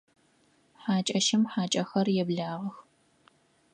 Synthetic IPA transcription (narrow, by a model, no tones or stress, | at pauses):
ħaːt͡ʃʼɐʃɪmħaːt͡ʃʼɐxɐrjɛbɮaːʁɐx